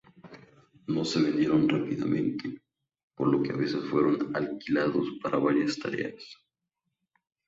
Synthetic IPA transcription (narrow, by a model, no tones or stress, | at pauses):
no̞seβe̞nd̪jeɾo̞nrapiða̰mẽ̞̰nt̪e | poɾlo̞keaβe̞sesfwe̞ɾonalkilaðospaɾʔaβaɾjast̪aɾḛas